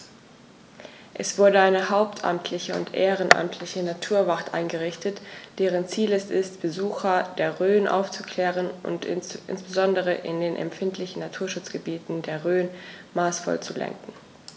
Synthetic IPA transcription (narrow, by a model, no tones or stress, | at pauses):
ʔɛsv̥ʊɐdəaɪnəɦaʊp̚tʰʔa̰mtʰlɪçəʊ̰ntʔeːʁənʔa̰mtʰlɪçənatʰuːɐvaχtʔa̰ɪnɡəʁɪçtʰətd̥eːʁ̞ənt͡siːlɛstɪstb̥əzuːxɐdeːɐʁøːnʔa̰ʊft͡su̥kʰl̥ɛːʁənʔʊ̰ntʔɪ̰nsb̥əzɔndəʁ̞əʔɪ̰ndeːnʔɛ̰mfɪntʰlɪçn̩natʰuːɐʃʊt͡sɡ̥əbiːtn̩deːɐʁøːnmaːsfɔ̰lt͡sulɛ̰ŋkŋ̩